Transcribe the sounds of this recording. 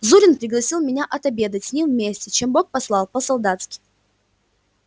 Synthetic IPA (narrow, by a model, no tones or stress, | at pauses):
zuɾʲɪnpɾʲɪɡlˠɐsʲilˠmʲɪnʲaʔɐt̪ɐbʲe̞d̪ətʲsʲnʲimvmʲesʲtʲɪt͡ɕe̞mbo̞k̚pɐslˠɑlˠpəsɐlˠd̪at̪skʲɪ̥j